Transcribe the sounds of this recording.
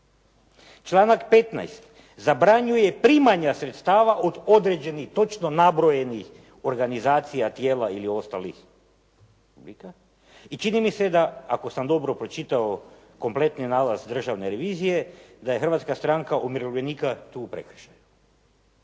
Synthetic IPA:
t͡ʃlˠaːnakpe̞t̪na̰jst̪ | zabɾaɲuje̞pɾiːmaɲasɾet̪st̪aːʋaʔod̪o̞d̪ɾe̞d͡ʒe̞nixt̪o̞t͡ʃno̞nabɾoje̞nix | o̞ɾɡanizaːt̪sijat̪jeːlailiost̪alḭx | publika | it͡ʃinimise̞d̪aa̰ko̞samd̪o̞bɾo̞pɾo̞t͡ʃit̪ao | ko̞mple̞t̪ninaːlazd̪r̩ʒaʋneɾe̞ʋiːzije̞d̪ajexrʋaːt̪skast̪ɾaŋkaʔumiɾoʋʎenikat̪uːpɾekr̩ʃaju

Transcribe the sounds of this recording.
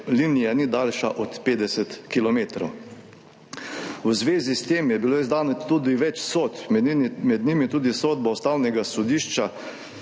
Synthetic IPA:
linijanid̪aːlʃaʔɔt̪peːd̪ɛsɛt̪kilɔmeːt̪ɾow | wzʋeːzist̪eːmjɛbiloizd̪aːnɔt̪ud̪iʋɛt͡ʃsot̪mɛd̪nimit̪uːd̪isoːd̪̚baɔst̪aːwnɛɡasɔd̪iːʃt͡ʃa

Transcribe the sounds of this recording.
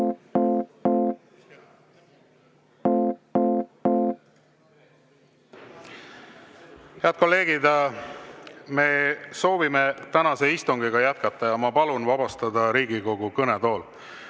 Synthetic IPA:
heɑt̪̚ko̞lːe̞ːɡid̪ | me̞ːso̞ːvimet̪ænɑse̞ist̪uŋɡ̥iɡ̥ɑjæt̪̚kɑt̪ːˑɑjɑmɑpɑlunvɑb̥ɑst̪ɑd̪ɑɾiːɡiko̞ɡukɤnet̪o̞ːl

